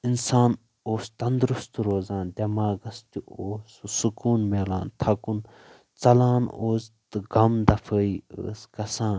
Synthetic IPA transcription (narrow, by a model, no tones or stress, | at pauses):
insaːn | oːst̪ɐnd̪ɾust̪ɾoːzãːnd̪ʲɐmaːɡɐst̪ʲioːssukuːnmeːla̰ːnt̪ʰɐkun | t͡sɐlaːnoːzt̪ɨɡɐmd̪ɐfʰəːiə̰ːskɐsãːn